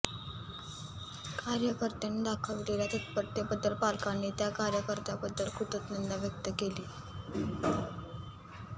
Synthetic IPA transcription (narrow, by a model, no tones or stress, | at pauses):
kaɾjəkəɾt̪enid̪akʰəlʋleljat̪ət̪̚pəɾt̪jebəd̪ːəlpalkanːiːt̪jakaɾjəkəɾt̪abəd̪ːəlkʰuʈ̪ət̪nənd̪aʋjək̚t̪əkeliː